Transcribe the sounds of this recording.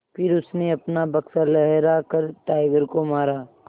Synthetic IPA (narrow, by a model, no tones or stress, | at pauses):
pʰɪɾʊsneɐpnabɐksalɛɦɾakɐɾʈaːɪɡəɾkomaːɾaː